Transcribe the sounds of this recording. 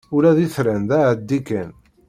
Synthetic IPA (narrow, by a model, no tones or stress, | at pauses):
ʊɾæðiθɾænðæʕəd̪ːikːən